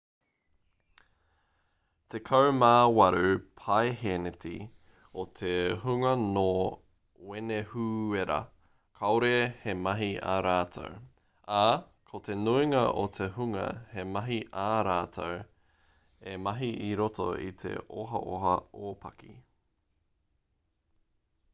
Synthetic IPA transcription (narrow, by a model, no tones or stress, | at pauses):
t̪ʰekʰɐwmaːwɐɾʉpʰaejɦeneti | ot̪ʰehuŋɐnoː | wenehueɾɐ̰ | kʰɐwoɾehemɐɦiɐa̰ɾaːtʰo̰w | a | kʰot̪e̞nuiŋɐʔotʰehuŋɐ̰hemɐɦiʔaɾaːt̪ʰow | emɐɦiʔiɾoto̰ḭt̪ʰḛʔo̰ɦɐ̰ʔoɦɐoːpʰɐ̰kḭ